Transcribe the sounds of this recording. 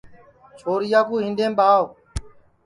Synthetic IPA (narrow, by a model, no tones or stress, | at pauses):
t͡ʃʰoːɾɪjaːkuːɦĩnd̪ẽːɓaːʋ